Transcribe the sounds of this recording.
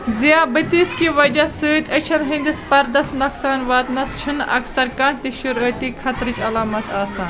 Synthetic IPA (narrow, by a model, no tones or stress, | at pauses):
ziaːbɨt̪iskiʋɐd͡ʒɐsɨːt̪ʲɐt͡ʃʰɐnɦĩnd̪ispɐɾd̪ɐst̪nɐksaːnʋaːt̪nɐst͡ʃʰɨnʔɐ̰ksɐɾkaːnʰt̪iʃuɾəːt̪ikʰɐt̪ɾɨt͡ʃɐlaːmɐt̪ʰaːsaːn